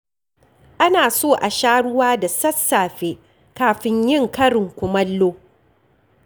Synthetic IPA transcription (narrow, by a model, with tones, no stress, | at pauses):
ʔa˦naː˨soː˦˨ʔa˨ʃaː˦ɽʊ˦waː˦da˨sɐ˦sːaː˨ɸeː˦ | kaː˨ɸɪ˦ɲjɪ˦ŋkɐ˦ɽɪ˨ŋkʷʊ˨mɐ˦lːoː˦